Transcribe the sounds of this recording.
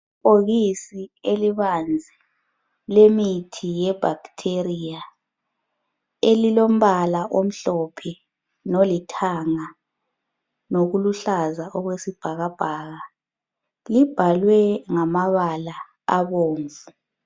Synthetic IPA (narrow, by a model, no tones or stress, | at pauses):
oɣisieliβand͡zʱɛ | lemitʰijɛb̥ʱaɡtʰerija | elilom̩βalaʔom̩ɬɔpʰɛ | nolitʰaŋa | noɣuluɬazaʔɔɣwesib̥ʱaɣab̥ʱaːɣa | lib̥ʱalwɛŋamaβala | aβoːɱvu